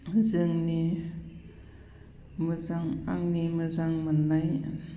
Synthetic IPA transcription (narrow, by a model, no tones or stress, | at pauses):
zɯŋni | mɯzaŋa̰ŋnimɯzaŋmɯnːaj